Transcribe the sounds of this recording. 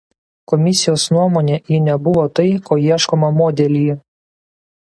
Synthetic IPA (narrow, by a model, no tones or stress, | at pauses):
kɔmʲɪsʲɪjoːsnuɔmoːnʲeːjɪnʲɛbʊʋɔːt̪ɐɪkoːjiɛʃkɔmɐmɔːd̪ʲɛlʲiː